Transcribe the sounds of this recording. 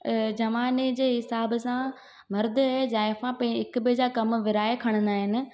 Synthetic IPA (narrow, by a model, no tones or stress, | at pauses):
d͡ʑɐʋaːned͡ʑeːɦɪsaːbsã | mɐɾd̪aezaːɪfãpɐ̃ĩɪkbɪd͡ʑaːkɐmʋɪɾaːekʰɐɽ̃ə̃nd̪aːɦɪnɪ̆